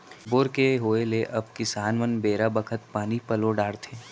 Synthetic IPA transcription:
boːɾkeɦoːeleʔɐb̚kɪsaːnʋənbeːɾabəkʰət̪̚paːnipɐloɖaːɽt̪ʰeː

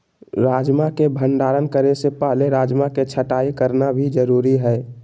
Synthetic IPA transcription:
ɾaːd͡ʒmakebʱəɳɖaːɾənkəɾesepəɦleɾaːd͡ʒmaket͡ʃʰəʈaːikəɾnabʱid͡ʒəɾuːɾiɦɛː

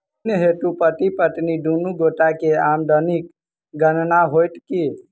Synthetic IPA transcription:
nɦet̪upəʈ̪ipəʈ̪niɖ̪unuɡoʈakeamɖ̪ənik | ɡənnaɦojʈ̪ki

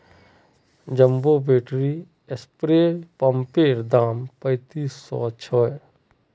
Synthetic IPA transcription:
d͡ʒəmbobeːʈɾi | espɾeːɾpəmpeːɾd̪aːmpə̃ɪt̪iːsːɔ̰t͡ʃʰɔ

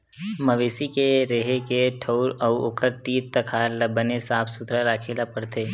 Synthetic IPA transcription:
məʋeːsikeɾeɦekeʈʰəɾɔʊoːkʰəɾt̪iːɾt̪əkʰaːɾləbənesaːpʰsʊt̪ɾaɾaːkʰeːlapəɽt̪eː

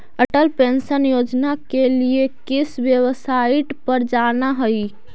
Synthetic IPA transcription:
əʈəlpensənjod͡ʒnakeliekisbjəwəsaiʈpəɾd͡ʒanaɦəj

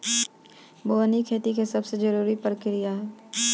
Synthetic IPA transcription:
boːnikʰeːt̪ikesɐbsed͡ʒəɾuːɾipəɾkɪɾijaɦɛː

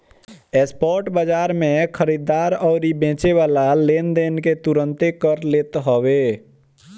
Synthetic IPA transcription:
espɔːɾʈbəd͡ʒaːɾmẽkʰəɾid̪aɾɔːɾibẽːt͡ʃeʋaːlalend̪eːnket̪uɾə̃nt̪ekəɾleːt̪ɦowe

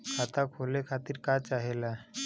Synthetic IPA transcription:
kʰat̪akʰolekʰat̪iːɾkat͡ʃaɦela

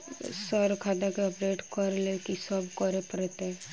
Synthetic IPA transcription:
səɾkʰad̪akeɔpɾeːʈkəɾlekisəbkɔɾepəɾet̪ẽ

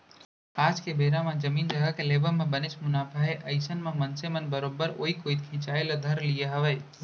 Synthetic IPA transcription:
aːd͡ʒkebʱeːɾãmãd͡ʒɐmiːnd͡ʒɐɡakeleːbəmẽbɐnɪt͡ʃmʊnaːpaɦeʔɐɪsənmãmɐnsemɐnbɐɾoːbəɾoːikoːit̪̚kʰɪ̃ːt͡ʃaːelad̪ʱɐɾlijeɦɐʋɛː

